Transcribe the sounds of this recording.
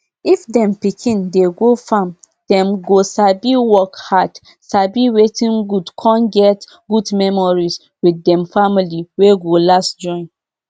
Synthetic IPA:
ifdɛ̃mpikʰĩndeɡofãm | d̥ɛ̃mɡosabiwɔkhad | sabiwetĩnɡudkʰɔ̃nɡɛt | ɡudmɛmɔɹis | widːɛ̃mfamiliweɡolastd͡ʒɔ̃n

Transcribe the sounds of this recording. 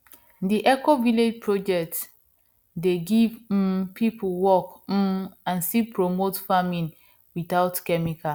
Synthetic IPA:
diʔɛkoviled͡ʒpʰɹod͡ʒɛk̚t | deɡivpʰipʰwɔk̩ | ãnsipɹomotfamĩn | witaʊtkɛmika

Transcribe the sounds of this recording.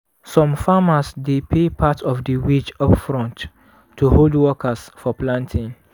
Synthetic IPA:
sɔ̃mfamasdepʰepʰatʰɔfdəwid͡ʒɔpfɹɔ̃nt | tːuholdwɔkʰasfɔplãntʰĩŋ

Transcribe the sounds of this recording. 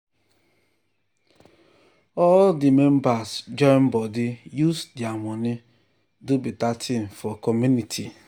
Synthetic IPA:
ɔdɪmem̩basd͡ʒɔm̩bɔdɪjusdɪamɔnɪ | dʊbitatʰɪn̩fɔkɔmjunitʰi

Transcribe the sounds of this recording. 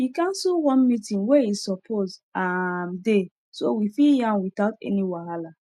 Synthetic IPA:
ikãnsuwɔ̃nmitĩŋweizsɔpʰozamde | sowifiljãnwiθaʊtɛ̰niwahala

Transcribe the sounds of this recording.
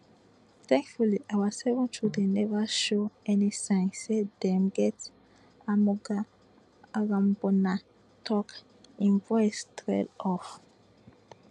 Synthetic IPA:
θɛ̃ŋkfuliʔawasɛvɔ̃ntʰudenɛvaʃoɛnisãɪ̃nːedɛ̃mɡɛt | amɔɡa | aɹãmbɔna | tʰɔk | ĩnvɔjstɹɛ̰lɔf

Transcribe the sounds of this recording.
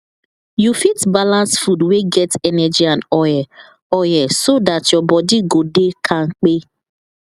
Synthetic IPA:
jufitbalãnsfudweɡɛtɛnɛd͡ʒiãnɔjɛ | ɔjɛsodatjɔbɔdiɡodekʰaŋ̩k͡pe

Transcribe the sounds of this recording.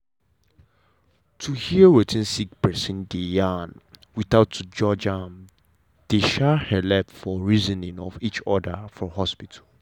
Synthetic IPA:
tʰuhiəwetʰĩnsik̚pɛsĩndejanwiθaʊtud͡ʒɔd͡ʒam | d̥eʃahɛlɛpfɔɹizə̃nĩŋɔ̰fit͡ʃɔdəfɹɔ̃hɔspitʰal

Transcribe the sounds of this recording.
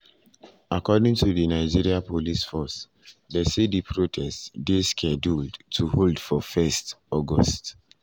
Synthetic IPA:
akɔdĩŋtʰuðənaɪd͡ʒiɹiapolisfɔs | dɛsidipʰɹotʰɛstdeskʰɛduldtʰuholdfɔfɛstɔɡɔ̰st

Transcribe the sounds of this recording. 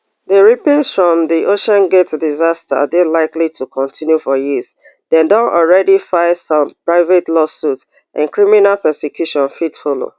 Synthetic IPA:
deɹipĩnsfɹɔ̃mðiʔoʃɔ̃nɡetdizasta̰delaɪklitʰukʰɔ̃ntʰĩnjufɔjiz | dɛ̃ndɔ̃nʔɔlɹɛdifaɪsɔ̃mpɹaɪvetlɔsut | ʔã̰nkɹiminalpɛsekʰjuʃɔ̃nfitfolo̰

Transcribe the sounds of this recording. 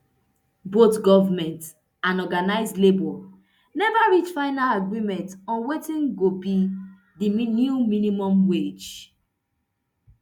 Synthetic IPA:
botɡɔvamɛ̃nt | ãnɔɡanaɪzdlebɔ | nɛvaɹit͡ʃfaɪnalaɡɹimɛ̃ntɔ̃nwetĩnɡobi | dinjuminimɔ̃mwed͡ʒ

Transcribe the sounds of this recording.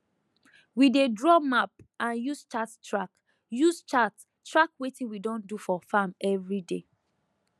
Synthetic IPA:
widedɹɔmap̚ãnjust͡ʃattɹak | just͡ʃat | tɹakwetĩnwidɔ̃ndufɔfamɛvɹide

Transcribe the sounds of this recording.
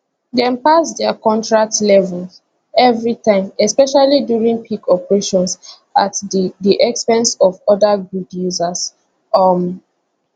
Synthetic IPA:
dɛ̃mpasdɛakɔ̃ntɹak̚tlɛvɛls | ɛvɹitãɪ̃mɛspɛʃalidjuɹĩŋpʰikʰɔpɹeʃɔ̃ns | atddiʔɛkspɛ̃nsɔvɔdaɡudjuzas | ɔm

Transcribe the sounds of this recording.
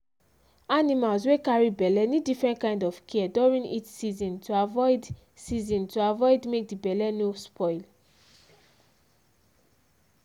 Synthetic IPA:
animalzwekaɹibɛlɛnidifɹɛ̃ntkãɪ̃ndɔfkʰiduɹĩnḭtsizɔ̃ntʰuavɔɪd | sizɔ̃ntʰuavɔɪdmek̚dibɛlɛnospʰɔɪl

